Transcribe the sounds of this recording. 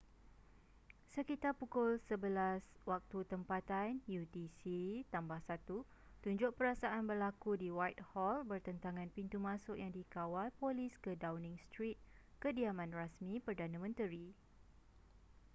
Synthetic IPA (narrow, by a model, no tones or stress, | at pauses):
səkit̪apukʊlsəbəlaswak̚t̪ut̪əmpat̪anjut̪isit̪ambahsat̪u | t̪uɲd͡ʒʊʔ̚pəɾasaʔanbərlakudiwajt̪̚hɔlbərt̪ənt̪aŋãnpint̪umãsʊʔjaŋdikawalpoliskədawnĩŋst̪ɾit̪̚kədiamãnrasmĩpərdanãmə̃nt̪əɾi